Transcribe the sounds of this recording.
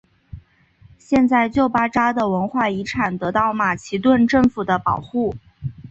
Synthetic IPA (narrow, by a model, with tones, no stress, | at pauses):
ɕjɛ˥˧nt͡sa˥˧ɪt͡ɕjo˥˩ʊpa˥ʈ͡ʂa˥d̪ə˨wə˧˥nxwa˥˩i˧˥ʈ͡ʂʰa˨˩nt̪ɤ˧˥t̪ɑ˥˩ʊma˨˩t͡ɕʰi˧˥t̪wə˥˧nʈ͡ʂɤ˥˩ŋfu˨˩d̪ə˦pɑ˨˩ʊxu˥˩